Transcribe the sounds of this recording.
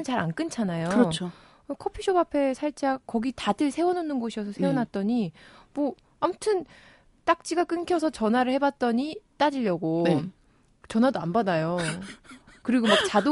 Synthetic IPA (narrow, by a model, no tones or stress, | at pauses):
ɯnt͡ɕaɾa̰nk͈ɯnt͡ɕʰanajoɯo | kʰʌpʰiɕʰobapʰe̞sʰaɭt͡ɕ͈akʌɡitadɯɭsʰe̞wʌnʌnɯnɡʌɕʰiʌsʰʌsʰewonat̚t͈ʌɲimʌ | amutʰɯn | t͈ak̚t͡ɕ͈iɡak͈ɯnkʰjʌsʰʌt͡ɕʌnwaɾɯɭhe̞bat̚t͈ʌɲit͈ad͡ʑiʎːʌɡoe | t͡ɕʌnɦadoanbadajo | kɯɾiɡomak̚t͡ɕado